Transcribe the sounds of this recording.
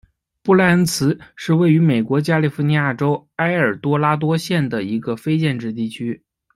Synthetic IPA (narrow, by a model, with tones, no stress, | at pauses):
pu˥˩la˥˩nt͡sʰɹ̩˧˥ʂɻ̩˥˧we˥˩ɪy˧˥me˨˩ɪkwɔ˧˥t͡ɕja˥li˥˩fu˧˥ni˧˥ja˥˩ʈ͡ʂo˥ʊa˥ɪə˞˨˩t̪wɔ˥la˥t̪̬wɔ˥ɕjɛ˥˩nd̪ə˩i˧˥ɡə˧fe˥ɪt͡ɕjɛ˥˧nʈ͡ʂɻ̩˥˧t̪i˥˩t͡ɕʰy˥